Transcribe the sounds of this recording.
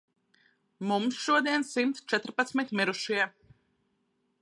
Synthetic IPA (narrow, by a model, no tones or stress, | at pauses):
mumsʃuɔd̪iɛnsimt̪st͡ʃɛt̪ɾpat̪smit̪miɾuʃiɛ